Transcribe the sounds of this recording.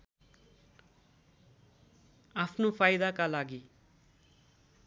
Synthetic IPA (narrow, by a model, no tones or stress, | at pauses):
apʰnopʰajd̪akalaɡi